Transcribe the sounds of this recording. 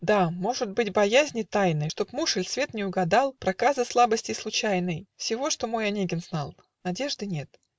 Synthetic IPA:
d̪amo̞ʐɨt̪̚bɨtʲbɐjæzʲnʲɪt̪ajnɨjʂt̪o̞pmuʂɨlʲsvʲe̞t̪nʲɪʊɡɐd̪ɑlˠpɾɐkazɨslˠabəsʲtʲɪslˠʊt͡ɕæjnəjfsʲɪvo̞ʂt̪o̞mo̞jɐnʲeɡʲɪnznalˠ | nɐdʲe̞ʐd̪ɨnʲe̞t̪

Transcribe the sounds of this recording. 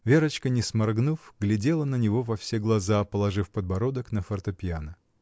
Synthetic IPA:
vʲeɾət͡ɕkənʲɪsmɐrɡnufɡlʲɪdʲelˠənənʲɪvo̞vɐfsʲeɡlˠɐzapəlˠɐʐɨfpəd̪bɐɾod̪əknəfərt̪əpʲɪanə

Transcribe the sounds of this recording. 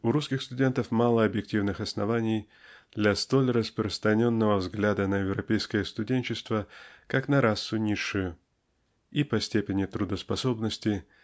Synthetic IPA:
ʊɾuskʲɪxst̪ʊdʲe̞nt̪əfmalˠəɐbjɪk̚tʲivnɨxɐsnɐvanʲɪj | d̪lʲɐst̪o̞lʲrəspɾəst̪ɾɐnʲo̞nːəvəvzɡlʲad̪ənəjɪvɾɐpʲejskəjəst̪ʊdʲenʲt͡ɕɪst̪vəkaknɐɾʔasːʊnʲiʂːʊjʊ | ipɐsʲtʲepʲɪnʲɪt̪ɾʊd̪əspɐso̞bnəsʲtʲɪ

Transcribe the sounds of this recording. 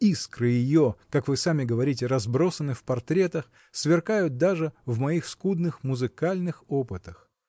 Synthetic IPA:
iskɾɨjɪjokakvɨsamʲɪɡəvɐɾʲit̬ʲɪɾɐzbɾo̞sənːɨfpɐrt̪ɾʲe̞t̪əx | svʲɪrkajʊt̪̚d̪aʐɨvmɐixskud̪nɨxmʊzɨkalʲnɨxo̞pɨt̪əx

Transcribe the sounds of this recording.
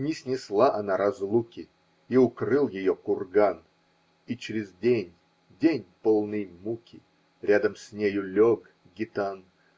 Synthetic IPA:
nʲɪsʲnʲɪslˠaʔɐnaɾɐzlˠukʲɪ | iʊkɾɨlˠjɪjokʊrɡan | it͡ɕɾʲɪzʲdʲenʲ | dʲenʲpolˠnɨjmukʲɪ | ɾʲad̪əmsʲnʲejʊlʲoɡ | ɡʲɪt̪an

